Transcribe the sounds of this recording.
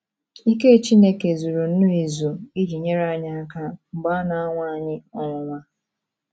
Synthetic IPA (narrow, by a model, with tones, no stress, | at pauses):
i˦ke˦˨t͡ʃi˦ne˦ke˨zu˨ɾu˨n̩˦nu˦i˨zu˨i˦d͡ʒi˨ɲe˦ɾa˦ɲa˦a˦ka˦ŋ͡m̩˨ɡ͡ba˦na˨a˦ŋʷa˦a˨ɲɪ˦ɔ˦ŋʷʊ˨ŋʷa˦